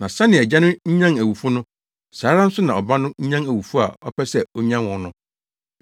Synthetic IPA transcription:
nã˨sa˦nɪ̃˨ɛ˨d͡ʑɛ˦nʊ̃˦ɲ̩˦ɲã˦ŋæ˨wu˨fʊ˦nʊ̃˦ | saː˨˦ɾa˦n̩˦sʊ˦nã˨ɔ˨ba˦nʊ̃˦ɲ̩˦ɲã˦ŋæ˨wu˨fu˦a̰˨ɔ˦pʰɛ˦sɛ˦ɔ˦ɲã˦nwɔ̃˨nʊ̃˦

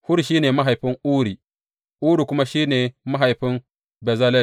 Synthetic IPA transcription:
hʊ˦ɾʃiː˦neː˨ma˦ɦa˨jɸɪ˦ŋʔuː˦ɾiː˨ | ʔuː˦ɾi˨kʷʊ˦ma˦ʃiː˦neː˨ma˦ɦa˨jɸɪ˦m | bɛ˨za˦lɛ˦˨

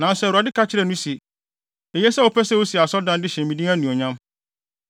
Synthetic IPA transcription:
nã˨n˨sɛ˦˨ɾa˨dɪ˦kʰa˦t͡ɕʰɪ˦ɾɛ˨nũ˦si˨ | e˨jɛ˦sɛ˦o˨pʰɛ˦sɛ˦wo˦si˨a˨sɔ˦dã˦ndɪ˦ɕɛ̃˨m˨mĩ˨dĩ˦æ̃˦nũ˨ɔ˨ɲã˦m

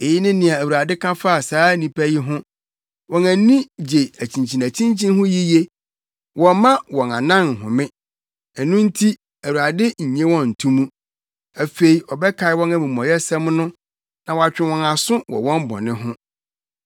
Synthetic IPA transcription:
e˨ji˦nɪ̃˦nɪ̃˨a˨æ˨wu˨ɾa˨dɪ˦kʰã˦fa˦a˨saː˦nĩ˨pʰæ˦ji˦ɦʊ̃˦ | wɔ̃˨næ̃˨˦nĩ˦d͡ʑe˨æ˨t͡ɕʰĩ˨ɲt͡ɕʰĩ˨næ˨t͡ɕʰĩ˦ɲt͡ɕʰĩ˦nɦʊ̃˦ji˦je˦ | wɔ̃˨mã˦wɔ̃˨nã˨nã˦n˨ɦʊ̃˨mɪ̃˦ | ɛ˨nʊ̃˦n̩˦tʰi˦ | æ˨wu˨ɾa˨dɪ˦ɲ̩˨ɲẽ˦wɔ̃˦n̩˨tʰũ˦mũ˦ | æ˨fe˨i˨ɔ˨bɛ˦kʰa˨ɪ˦wɔ̃˦næ̃˨mĩ˨m˨ɔ̃˨jɛ˦sɛ̃˦mnʊ̃˦ | nã˨wɔ˨a˨t͡ɕᶣɪ̃˨wɔ̃˨na˨sʊ̃˦wɔ̰˨wɔ̃˦m˦bɔ̰̃˨nɪ̃˦ɦʊ̃˦

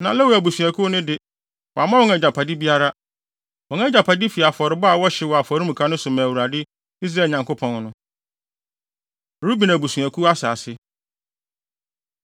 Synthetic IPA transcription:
nã˨lɛ˦wu˨æ˨bu˨su˨æ˨kʰu˦nʊ̃˦dɪ˨ | wɔ˨a˨mã˦wɔ˦ŋɛ˨d͡ʑa˨pʰa˨di˦bi˦a˦ɾa˦ | wɔ˨ɛ˦d͡ʑa˨pʰa˨di˦fi˨a˨fɔ˨ɾɪ˨˦ba˦a˨wɔ˦ɕɪ˦wɔ˨a˨fɔ˨ɾĩ˦mũ˨kʰã˦nʊ̃˦sʊ˨mã˨wu˨ɾa˨dɪ˦ | i˦s̬ɾa˨˦˨ɲã˨ŋko˦pʰɔ̃˨nnʊ̃˦˨ | ɾu˦bi˨næ˨bu˨su˨æ˨kʰu˦a˦sa̰ː˨sɪ˦

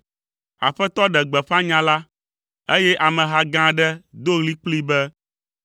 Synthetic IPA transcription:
a̰˨ɸɛ˦t̪ɔ˦ɖɛ˨ɡ͡bɛ˨ɸa˦ɲã˨la˦ | e˦jɛ˦ʔa˨mɛ̃˨ɦa˦ɡã˦ɖɛ˦d̪o˦ɣli˦k͡pli˦bɛ˦

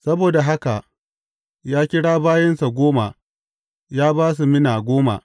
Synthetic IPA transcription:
sɐ˦boː˨da˨ɦa˦ka˨ʔ | jaː˦kʲɪ˦ɽaː˦baː˦jɐ˦nsa˨ɡʷoː˦ma˨ | jaː˦baː˦s̬u˨mɪ˦naː˨ɡʷoː˦ma̰˨

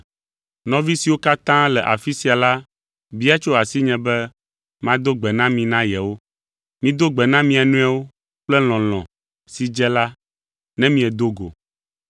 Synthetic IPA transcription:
nɔ̃˦vi˦si˨wo˦ka˦t̪ã˦lɛ˨ʔa̰˨fi˦si˨a˨la˦ | bi˦a˦t͡ʃo˦a˨si˦ɲɛ̃˨bɛ˦ | mã˦d̪o˦ɡ͡bɛ˨nã˦mĩ˨nã˦jɛ˨wo˦ | mĩ˦d̪o˦ɡ͡bɛ˨nã˦mĩ˨a˨nũ˦a˦wo˦ | k͡plɛ˦l̃ɔ̃˨l̃ɔ̃˨ | si˨d͡ʒɛ˦la˦ | nɛ̃˦mĩ˦ɛ˨d̪o˦ɡo̰˨

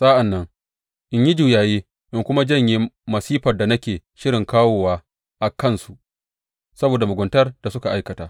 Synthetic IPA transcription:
sʼa˦ʔa˨nːɐ˦ŋ | ʔɪ˦ɲji˦d͡ʒuː˨jaː˨jeː˦ | ʔɪ˦ŋkʷʊ˦ma˦d͡ʒɐ˦˨ɲji˦mɐ˨siː˦ɸɐ˨rda˨nɐ˦kʲeː˨ʃɪ˦ɾɪ˨ŋkaː˦woː˨waː˦ | ʔa˨kɐ˦˨nsu˨ʔ | sɐ˦boː˨da˨mʊ˨ɡʷʊ˨ntɐ˦rd̥a˨sʊ˦ka˨ʔa˦jkɐ˨taː˦

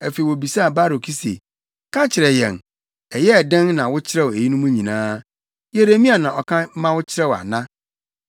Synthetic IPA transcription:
æ˨fe˨i˨wo˨bi˨sa˦a˨ba˦ɾo˨kʰi˦sḛ˨ | kʰã˦t͡ɕʰɪ˨ɾɛ˨jɛ̰̃˨n | ɛ˨jɛ˦˨dɛ̃˦nnã˨wʊ˦t͡ɕʰɪ˦ɾɛ˦˨we˨ji˦nũ˦mũ˦ɲĩ˨nãː˦ | je˦ɾe˦mĩ˦a˨nã˨ɔ˨kʰã˦mã˦wʊ˦t͡ɕʰɪ˦ɾɛ˦wa̰˨nã˦

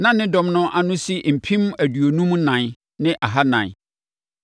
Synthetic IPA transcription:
nã˦nɪ̃˦dɔ̃˨mnʊ̃˦ʔa˦nʊ̃˦si˦m̩˨pʰĩ˦m˦æ˨dɥo˨nũ˦m̃˦nã˨n | nɪ̃˦ʔa˨ɦa˦nã̰˨n˨

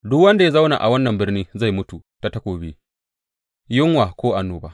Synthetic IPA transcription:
dʊ˦kwɐ˦nda˨ja˦za˦wna̰˨ʔa̰˨wɐ˦nːɐ˨mbɪ˦rniː˦za˦˨jmʊ˦tu˨ta˦tɐ˦kʷoː˨bḛ˦ | jɪ˦ŋwaː˨kʷoː˦ʔa˨nːuː˦baː˦ʔ

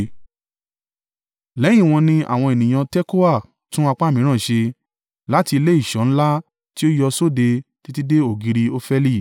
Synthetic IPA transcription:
lɛ˨˦j̃ĩ˦˨w̃ɔ̃˧nĩ˧a̰˦˨w̃ɔ̃˧e˨nĩ˨j̃ã˧tɛ˦ko˦a˦˨ | tũ˦a˧k͡pa˦˨mĩ˨˦ɾ̃ã˦˨ʃe˧ | la˦ti˧le˦i˦˨ʃɔ̃˨˦ñ̩˦la˦ | ti˦o˦jɔ˧so˦˨de˧ti˦ti˦de˦o˦˨ɡi˧ɾi˧o˦fɛ˦li˦˨

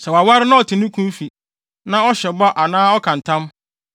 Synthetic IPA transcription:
sɛ˨wa˨wa˦ɾɪ˦nã˦ɔ˨tʰɪ˨nʊ̃˦kʰũ˦m˦fi˨ | nã˦ɔ˦ɕɛ˨ba˦ʔa˨nãː˦ɔ˦kʰã˨n˨tʰã˦m

